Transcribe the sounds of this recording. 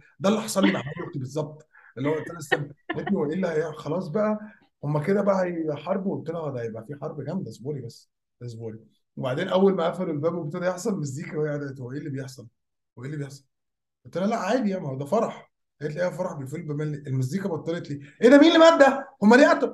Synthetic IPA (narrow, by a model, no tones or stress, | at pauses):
d̪ælːiħɑ̥sˤɑlːimaʕmæleʔt̪ibezˤːɑb̚t̪ˤʔelːhowæʔt̪ːænæsːæbt̪næt̪iowæʔelːihæjxɑlɑːsˤbæʔæ | homːæked̪æbæʔæhæjħɑɾˤbwet̪ːenæhd̪æjebʔæfiːħɑɾˤbɡæmd̪æsboːlibæsː | d̪æs̬boːli | webaʕd̪eːnʔæwːælmæʔæfælelbæːbwebet̪ed̪æjeħsˤɑlmezd̪iːkæwæʔd̪æt̪owæʔelːibejeħsˤɑl | weʔeːlːibejeħsˤɑl | et̪ːenælæʔʕaːd̪ijæʕmihod̪æfɑɾˤɑħ | hæet̪lʔeːhæfɑɾˤɑħbejfelbemænliʔelmæz̬d̪iːkæbɑt̪ˤːelet̪liːʔed̪æmiːnlːimæb̪̚d̪ːæhomːæliʔæt̪o